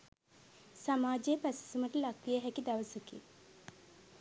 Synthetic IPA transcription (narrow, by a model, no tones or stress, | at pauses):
samaːd͡ʒejəpæsi̥suməʈəlakʋijəɦɛkid̪aʋəsəkḭ